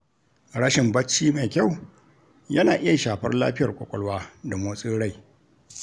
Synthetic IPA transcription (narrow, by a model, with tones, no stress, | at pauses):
ɽɐ˦ʃɪ˨mbɐ˦t͡ʃːiː˦ma˨kʲa˦˨w | jɐ˦naː˨ʔɪ˦ja˨ʃaː˨ɸɐ̰˦rla̰ː˦ɸɪ˦jɐ˨rkʷʼɔ̰˨kʷʼɔ˦lwaː˦da˨moː˦sʼiː˦ɽa˦j